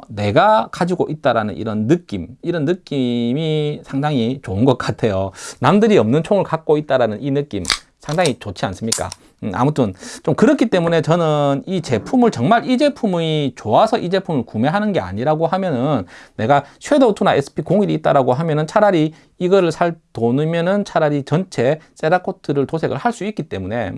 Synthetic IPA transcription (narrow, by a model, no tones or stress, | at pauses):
ne̞ɡakad͡ʑiɡoʔit̚t͈aɾanɯnʔḭɾʌnːɯk͈imiɾʌnːɯk͈imisʰaŋdaŋit͡ɕoɯnɡʌk͈̚atʰe̞jonamdɯɾiʌmnɯnt͡ɕʰoŋɯɭkak̚k͈oit̚t͈aɾanɯninɯk͈im | sʰaŋdaŋit͡ɕot͡ɕʰia̰ns͈ɯmɲik͈a̰ | a̰mutʰɯnt͡ɕomkɯɾʌkʰit͈e̞mune̞t͡ɕʌnɯnit͡ɕe̞pʰumɯɭt͡ɕʌŋmaɾid͡ʑe̞pʰumit͡ɕoasʰʌʔid͡ʑe̞pʰumɯɭkume̞ɦanɯnɡe̞a̰ɲiɾaɡoɦamjʌnɯnːe̞ɡat͡ɕʰwe̞dotʰunaes͈ʰɯ̥pʰikoŋiɾiːt̚t͈aɾaɡoɦamjʌnɯnt͡ɕʰaɾaɾi | iɡʌɾɯɭsʰaɭtonɯmjʌnɯnt͡ɕʰaɾaɾit͡ɕʌnt͡ɕʰe̞s͈eɾakʰotʰɯɾɯɭtosʰe̞ɡɯɭhaɭs͈uik͈it͈e̞̰mune̞